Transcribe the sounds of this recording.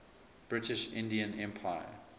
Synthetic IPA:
b̥ɹɪtɪʃɪ̰̃ndiə̃nɛ̃mpʰaɪə̰

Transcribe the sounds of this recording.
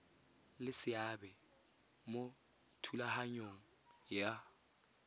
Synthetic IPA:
lɪsɪabɛ | mo | tʰulahaɲoŋ̩ | ja

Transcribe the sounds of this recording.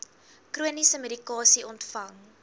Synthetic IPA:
kruənisəmedikɑːsiɔntfɐŋ

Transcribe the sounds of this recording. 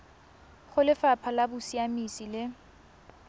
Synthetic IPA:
χʊlɪfapʰalabʊsiamisilɪ

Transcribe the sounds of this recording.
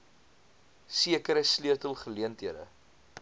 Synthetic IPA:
siəkəɾəsliətəlˠχəliəntɦiədə̰

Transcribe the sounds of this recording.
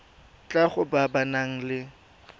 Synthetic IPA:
t͡ɬʼaχʊbabanaŋ̩lɪ

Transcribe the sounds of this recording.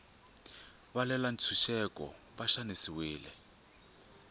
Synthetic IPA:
βalɛlant͡sʰuʃɛkʼɔ̰ | βaʃanesiwiːlɛ

